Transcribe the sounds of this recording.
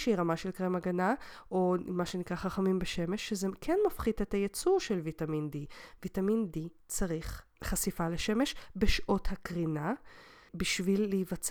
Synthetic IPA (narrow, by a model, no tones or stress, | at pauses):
ʃeiʁamaʃelkʁemaɡanaʔomaʃenikʁaχaχamimbeʃeme̞ʃːezekʰenmafχidetajet͡suʁʃelvitamindivitamindi | t͡saʁiχ | χasifaleʃeme̞ʃbeʃʔo̞thakʁina | biʃvilːeivat͡s